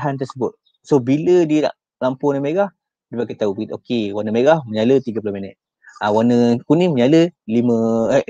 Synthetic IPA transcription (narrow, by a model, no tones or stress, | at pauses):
ɦant̪ərsəbʊt̪̚ | sobilədiəna̰ʔ | lampʊnəmeɡah | dəpakat̪aubəɡit̪okewanəmeɡahməɲalət̪iɡap̬ulohminɛt̪̚ | awanə̃kunĩməɲaləlimə̃